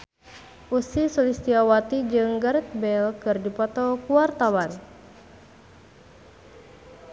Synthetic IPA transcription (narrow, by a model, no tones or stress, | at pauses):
ʔusisɔlist̪iawat̪id͡ʒɨŋɡaɾɛt̪̚bɛlkɨrdipɔt̪ɔkuwart̪awan